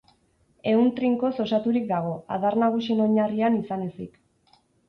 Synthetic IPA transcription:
e̞unt̪ɾiŋko̞so̞sat̪uɾik̚d̪aɣ̞o̞a̰ðaɾnaɣ̞usie̞no̞ɲarianisane̞sik

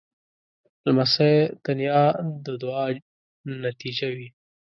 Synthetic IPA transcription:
lmased̪̥anjɑd̪əd̪ʊɑ | nat̪id͡ʒawi

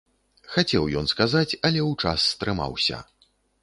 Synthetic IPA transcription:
xat͡sʲɛwjɔnskazat͡sʲɐlʲɛwt͡ʂasːt̪ɾɨma̰wsʲɐ̰

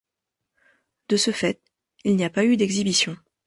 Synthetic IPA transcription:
d̪̥əsəfɛt̪̚ | ilniapayd̪ɛɡzibisjɔ̃

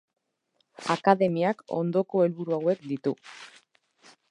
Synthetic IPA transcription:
a̰kaðe̞miako̞̰nd̪o̞ko̞e̞lβuɾuawe̞kd̪it̪u

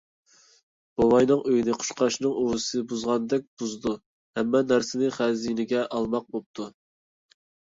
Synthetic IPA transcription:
b̥owɑjnɨŋøjinɪqʰʊ̥ʃqɑʃnɨŋuwɨsɨbuzʁɑnd̪ɛk̚ʲb̥uzd̪u | hɛmːɛnæɾsɪnɪχæzinɪɡʲɛʔɑlˠmɑq̚bop̚t̪ʰu

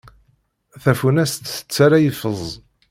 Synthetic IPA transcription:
θæfunæst̪θə̥t͡sːaɾajəfəzˤ

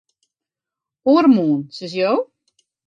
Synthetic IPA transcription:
uɾmuːnsəs̬joː

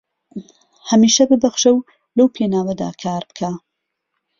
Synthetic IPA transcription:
hɐmiːʃɐbɨbɐxʃɐw | lɐwpʰeːnaːwɐd̪a̰ːkʰaːɾbɨ̥kʰa

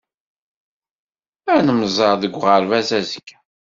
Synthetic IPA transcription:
ænəməzˤɑɾˤðəɡʷːʁəɾvæzæzəkː

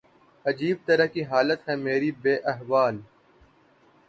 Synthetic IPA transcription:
ɐd͡ʒiːb̚t̪ɐɾəkiɦaːlət̪ɦɛ̃meːɾibeːʔɐɦʋaːl

